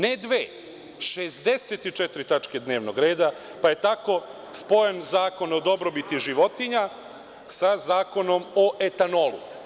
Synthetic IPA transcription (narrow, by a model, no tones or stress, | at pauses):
ned̪ʋeː | ʃezd̪e̞set̪it͡ʃet̪ɾit̪at͡ʃke̞d̪ne̞ːʋnoɡɾe̞ːd̪a | paje̞t̪ako̞ | spo̞jenzaːko̞nod̪o̞bɾobit̪iʒiʋo̞t̪iɲa | sazaːko̞no̞moʔe̞t̪ano̞lṵ